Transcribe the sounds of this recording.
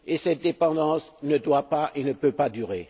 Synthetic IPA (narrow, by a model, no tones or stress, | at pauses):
esɛt̪̚d̪epɑ̃d̪ɑ̃snəd̪wapaʔenəpøpad̪yʁe